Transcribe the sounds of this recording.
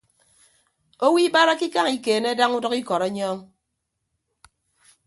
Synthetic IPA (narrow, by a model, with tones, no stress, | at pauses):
o˦wi˦ba˦ɾa˦ki˦ka˦ŋi˨keː˨ne˦da˦ŋu˦dɔ˦ki˦kɔ˨ɾe˦ɲɔ˦ŋ